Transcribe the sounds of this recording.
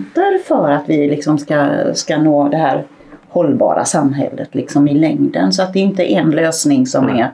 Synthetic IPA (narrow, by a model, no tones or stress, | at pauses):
t̪əɾfœːɾat̪vɪlɪksɔmskaskanoːd̪ɛhæːɾ | hɔlːbɑ̰ːɾa̰samːɦɛ̰lːət̪lɪksɔmɪlɛŋd̪ə̰nsɔat̪̚d̪ɛːɪnt̪əʔɛnløːsnɪŋsɔmɛɾ